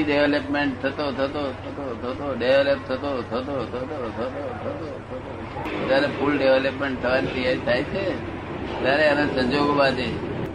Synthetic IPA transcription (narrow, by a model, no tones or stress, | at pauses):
iɖeʋləpmeɳʈ̚t̪ʰət̪ot̪ʰət̪ot̪ʰət̪ot̪ʰət̪oɖeʋləp̚t̪ʰət̪ot̪ʰət̪ot̪ʰət̪ot̪ʰət̪ot̪ʰət̪ot̪ʰət̪o | d͡ʒaɾepʰulɖeʋeləpmeɳʈ̚t̪ʰəʋanip̪ijait̪ʰajt͡ʃʰe | t̪jaɾeanasə̃ɲd͡ʒoɡbad̪e